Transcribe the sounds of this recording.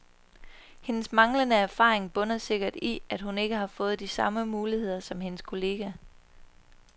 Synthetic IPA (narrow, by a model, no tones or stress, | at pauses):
he̝nəsmɑ̈ŋlənəæɐfɑ̰̈ːʁeŋb̥ɔ̽nɐse̝ɡ̥ɐd̥iæd̥hune̝ɡ̥əɦɑ̈fɔ̽ːð̞̩ˠd̥isɑ̈məmuːlihe̝ð̞̰ˠɐsɒ̽mhe̝nəskʰo̝le̝ːɡ̥æ